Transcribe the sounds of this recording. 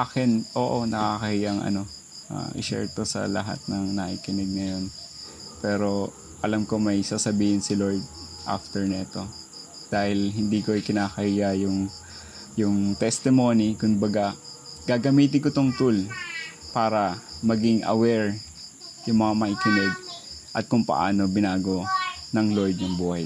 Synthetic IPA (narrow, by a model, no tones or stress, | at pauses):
ʔaːkɪnʔo̞ːʔo̞nɐkakɐhijɐŋʔɐ̰no̞ | ʔa̰ʔɪ̰ʃɛ̰ɹt̪o̞sɐ̰lɐ̰ɦa̰t̪̚nɐŋnɐʔiːkɪnɪɡ̚nɐjo̞n | pɛːɾo̞ | ʔɐlamko̞mɐjsaːsɐbiːhɪnsɪloɹd̪̚ | ʔa̰ft̪ɛɹnɛɛt̪o̞ | d̪̥aːhɪlɦɪnd̪iːkoʔɪkɪnaːkɐhijajʊŋ | jʊŋt̪ɛst̪ɪmo̞ːnikʊnbɐɡaɡ̥aːɡɐmiːt̪ɪnkʊt̪oŋt̪ulpaːɾɐmɐɡɪŋʔɐ̰wɛɹ | jʊŋmɐŋamɐʔiːkɪnɛɡ̚ʔɐt̪̚kʊŋpɐ̰ʔa̰ːno̞bɪnaːɡo̞nɐŋlojd̪jʊŋbuːhɐj